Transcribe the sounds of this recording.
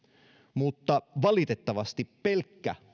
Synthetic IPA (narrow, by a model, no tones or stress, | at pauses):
mut̪ːɑʋɑlit̪et̪ːɑʋɑst̪ippelkːæ̰